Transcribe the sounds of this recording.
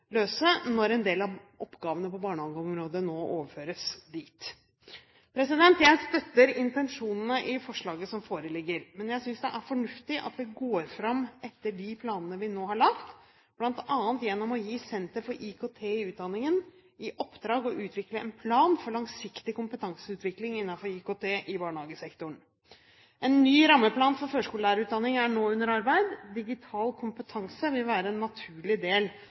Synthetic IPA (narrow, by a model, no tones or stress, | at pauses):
løːsənɔɾɛnd̪eːlɑʔɔpːɡɑːʋənəpɔbɑːɳəhɑːɡəɔmɾoːd̪ənoːʔoːʋəɾføːɾəsd̪iːt̪ | pʰɾɛsɪd̪ɛnt̪jæɪst̪œt̪ːəɾɪnt̪ɛnʂuːnnəʔɪfɔʂɭɑːɡəsɔmfoːɾəlɪɡːəɾmɛnjæɪsʏnsd̪ɛʔæɾfɔɳʉft̪ɪʔɑ̰t̪̚d̪ɛɡoːɾfɾɑmːɛt̪ːəɖɪpʰlɑːnənəʋɪnoːɦɑɭɑkt̪ | b̥lɑnt̪ʰɑːənt̪jɛnːɔmɔjiːsɛnt̪əɾfɔɾʔɪkʰoːt̪ʰeːɪʉːt̪̚d̪ɑnːɪŋən | ɪʔɔpd̪ɾɑːɡɔʔʉːt̪ʰʋɪkləɛnpʰlɑːnfɔɾɭɑŋsɪkt̪ɪkʊmpət̪ʰɑŋsəʉːt̪ʋɪklɪŋɪnːɑnfɔɾɪkoːt̪ʰeːʔɪbɑːɳəhɑːɡəsɛkt̪ʊɳ | ɛnːyːɾɑmːəpʰlɑːnfɔɾføːʂkuːləlæːɾʉːt̪̚d̪ɑnːɪŋæɳoːʉnːəɾɑɾbæɪd̪d̪ɪɡɪt̪ʰɑːlkʰʊmpət̪ʰɑŋsəʋɪlʋæːɾəɛnːɑt̪ʰʉːɭɪd̪eːl